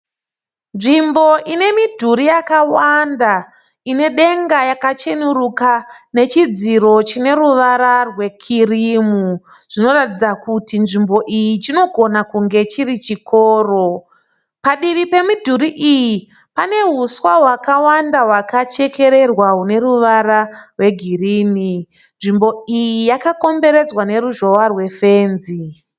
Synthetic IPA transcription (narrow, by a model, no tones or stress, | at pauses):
nʐimbo̞ʔine̞midʱuɾijakawanda | ine̞ɗe̞ŋɡajakat͡ʃenurukane̞t͡ʃid͡ziɾo̞t͡ʃine̞ɾuʋaɾarwe̞kʰirimu | ʐ̥ino̞ratid͡zakutinʐimbo̞ʔijit͡ʃino̞ɡʱo̞nakuŋɡe̞t͡ʃirit͡ʃikʰoːro̞ | paɗiʋipe̞mudʱuɾiʔiji | pane̞ɦuswaɦwakawandaɦwakat͡ʃe̞ke̞ɾe̞rwaɦune̞ruʋaɾarwe̞ɡʱiriːni | nʐimbo̞ijijakako̞mbe̞ɾe̞d͡zwane̞ɾuʒo̞warwe̞fe̞ːnzi